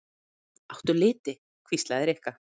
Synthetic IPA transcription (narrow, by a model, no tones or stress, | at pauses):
aw̥t̪ʏlɪːt̪ɪ | kʰvist̪laðɛɾɛhka